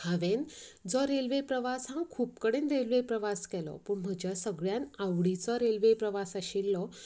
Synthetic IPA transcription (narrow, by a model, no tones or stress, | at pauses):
haʋend͡zɔɾelʋepɾəʋasãŋkʰuːp̚kəɽenɾelʋepɾəʋaskɛlɔ̰puːɳm̤əɡd͡ʑjasəɡɭjanawɽit͡sɔɾelʋepɾəʋasaɕilːɔ